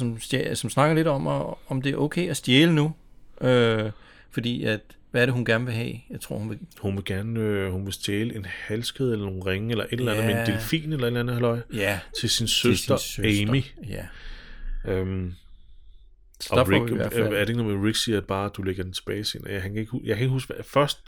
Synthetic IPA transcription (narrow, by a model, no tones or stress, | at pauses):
ɒ̽msd̥esɒ̽msnɑ̈ɡ̥ɐle̝dɒ̽mɒ̽md̥e̝æɐʔoʊkʰeɪæsd̥jeːlənuʔø | fɒ̽d̥ḭːæd̥ | ʋæɐɾe̝ɦunɡ̥æɐnʋe̝ɦɛ̰ːjɑ̈ɪt͡sʰʁo̝ɐ̰hunʋe̝hunʋe̝ɡ̥æɐnøhunʋe̝sd̥jeːləʔe̝nhælsɡ̥eðˠelɐno̝ːn̩ʁeŋəelɐʔe̝d̥elænnð̩ˠmend̥elfḭːnelɐed̥lænð̩ˠhælɒ̽ɪ̰jt͡sʰe̝lsinsøsd̥ɐɛmiæ | øm | ɒ̥ʁiɡi̥æ̰æɐd̥eeɡnomʁiɡ̥siæ̥b̥ɑ̈ːd̥uleɡ̥ɐd̥en̩t͡sʰe̝̥b̥ɛːɪsḛnhænkʰæe̝ɡ̥hujäkʰæeɡɦusɡ̥fɶɐsd̥